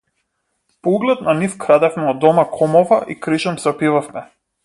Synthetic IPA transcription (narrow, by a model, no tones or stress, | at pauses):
pouɡlɛt̪̚nanifkɾad̪ɛfmɛɔd̪ɔmakʰɔmɔvaʔikɾiʃɔmsɛɔpivafmɛ